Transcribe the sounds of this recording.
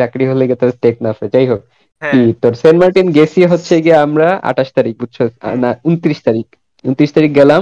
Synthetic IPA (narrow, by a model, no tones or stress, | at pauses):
t͡ɕakɾiɦoleɡet̪oɾsʈeknafed͡ʑajɦok̚ | kit̪oɾsenmaɾʈinɡesieɦotːɕʰeɡiamɾaa̰ʈaʃt̪aɾik̚bud̚t͡ɕʰo̰naunt̪ɾiʃt̪aɾik | unt̪ɾiʃt̪aɾik̚ɡɛlam